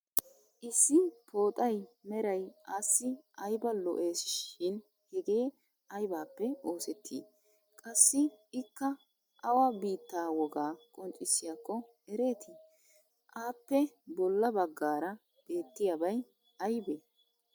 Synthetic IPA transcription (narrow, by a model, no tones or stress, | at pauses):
ʔɪsːɪpʰo̞ːt̪ʼɐjmɛɾɐjʔasːɪʔɐjbɐlɔ̰ʔe̞ːsʃɪn | hɛɡe̞ː | ɐjbaːpːɛoːsɛt̪ʰːḭː | kʼɐsːɪɪkːɐ | ʔɐwɐbiːt̪ːaːwɔɡaːkʼɔnt͡ʃʼɪsɪjaːkːɔ | ɛɾe̞ːt̪ɪ | ʔaːpːɛbɔlːɐbɐɡːaːɾɐ | b̥e̞ːt̪ːɪjɐbɐj | ɐjbeː